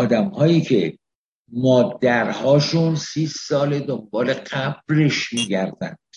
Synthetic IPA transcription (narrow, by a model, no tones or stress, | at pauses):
d̪æmhɒːjiːcʰe̞ | mɒːd̪æɾhɒːʃunsiːssɒːled̪ombɒːleɢæb̥̚reʃmiːɟæɾd̪æ̰nd̪̥